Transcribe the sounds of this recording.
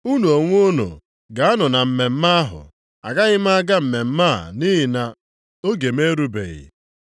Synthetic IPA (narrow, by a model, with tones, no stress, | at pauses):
u˦nu˨o˨ŋʷ˦o˦no̰˨ | ɡa˨a˦nʊ˨na˨m̩˨me˨m̩˦ma˦a˦ɦʊ̰˨ | a̰˨ɡa˦ɣɪ˦m˦a˦ɡa˦m̩˨me˨m̩˦maː˦˨ni˦ɦɪ˨na˨ | o˦ɡe˨me˦ɾu˦bḛ˨ɣɪ̰˨